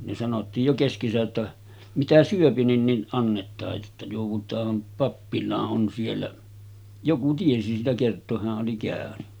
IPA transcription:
ne sɑnotːiːj jo keskesæʔ ʔetːæ mitæ syøpi nin nin ʔɑnːetˑɑːj jotːɑ joˑuʋˑutˑɑːm pɑpːilɑːʔ ʔon sielːæ joku tiesi siːtæ kertˑoːh̆ hæʔ ʔoli kæˑøny

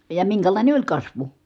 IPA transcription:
jɑ miŋkælɑˑine olʲ kɑsʋu

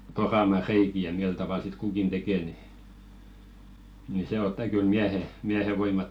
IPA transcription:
porɑmɑ reiki jɑ mil tɑʋɑl sit kukin tekeˑ ni ni se otːɑ kyl miæhe miæhe ʋoimɑtːem

